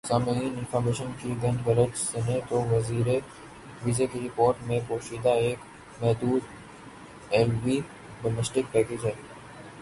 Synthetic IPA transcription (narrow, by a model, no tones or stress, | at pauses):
saːmiːnɪ̃nfʰəɾmeːʃənkʰiɡɐ̃ɳɖʋəɾəd͡ʒsɛneːʈ̪oʋɐziːɾe | ʋizekiɾɪpoːɾʈmẽpoːʃiːd̪aeːk̚ | mɛɦd̪uːd̪ | ɛːlʋiː | ɖomɛsʈɪk̚pɛːkeːd͡ʒɦɛɾ